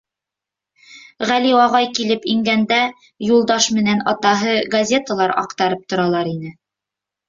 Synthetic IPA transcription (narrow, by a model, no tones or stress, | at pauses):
ʁæliɑʁɑjkilɘpiŋɡænd̪æ | julˠd̪ɑʃmɘ̆nænɑt̪ɑɦɤɡɐzʲe̞t̪alˠɑɾɑ̰qt̪ɑɾɤp̚t̪ŏɾɑlˠɑɾinɘ